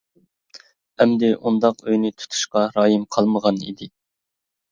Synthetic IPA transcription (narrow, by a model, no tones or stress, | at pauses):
ɛmd̪ɪʔund̪ɑqøjnɪt̪ʰu̥t̪ʰu̥ʃqɑɾɑːjimqʰɑlˠməʁɑnḭd̪ɪ